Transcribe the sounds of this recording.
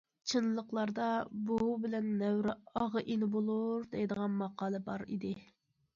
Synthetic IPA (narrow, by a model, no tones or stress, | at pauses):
t͡ʃʰɨnlˠəqlˠɑɾd̪ɑbubɪlɛnːɛwɾɪɑʁəʔinɪbolˠuɾd̪ɛjd̪əʁɑnmɑqʰɑːlˠɨbɑɾḭd̪ɪ